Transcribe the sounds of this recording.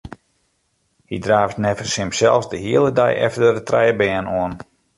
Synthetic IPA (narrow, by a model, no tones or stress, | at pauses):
hidraːftnɛvərsɪmsɛlˠfsdəhiəlˠəda̰jʔɛ̰ftədətrɛjəbɛːənoən